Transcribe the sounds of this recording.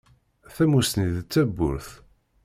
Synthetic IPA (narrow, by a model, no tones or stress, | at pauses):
θæmust̪niðt͡sːæbːʊ̰ɾθ